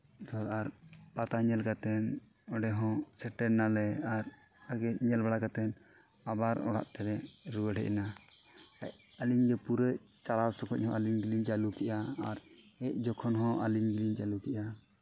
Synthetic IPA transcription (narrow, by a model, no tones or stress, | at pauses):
t̪ɔɾaɾpat̪aɲɛlkat̪ɛn | ɔɖɛɦɔ̃t͡ʃʰɛʈɛnalɛaɾ | aɡɛʔɲɛlbaɽakat̪ɛn | abaɾɔ̰ɽa̰ʔt̪ɛɾɛɾuwəɖʱɛ̰ʔna | aʔ | aliɲɡɛpuɾəʔt͡ʃalawsɔkʰɔʔ̚hɔ̃aliŋɡiliɲt͡ʃalukɛʔaːɾɛc̚d͡ʒɔkʰɔnɦɔ̃ʔaliŋɡiliɲt͡ʃalukɛʔa